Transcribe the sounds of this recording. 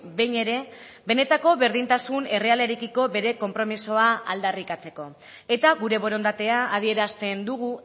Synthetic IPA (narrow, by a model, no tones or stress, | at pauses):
bejne̞ɾe̞be̞ne̞t̪ako̞βe̞ɾðint̪asune̞re̞ale̞ɾekiko̞be̞ɾe̞ko̞mpɾo̞miso̞aald̪arikat͡se̞ko̞ | e̞t̪aɣuɾe̞βo̞ɾo̞nd̪at̪e̞aːð̞ie̞ɾast̪e̞nd̪uɣ̞u